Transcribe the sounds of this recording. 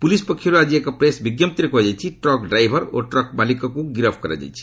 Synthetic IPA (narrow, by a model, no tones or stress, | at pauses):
pulispʌkʰiɾad͡ʒiekapɾesbiɡjʌmt̪ɾekoɦd͡zajt͡ʃʰiʈrɔkɖrajbʱʌɾo̰ʈrɔkmalikakoɡiɾʌbʰkʌɾa̰d͡za̰jt͡sʰi̥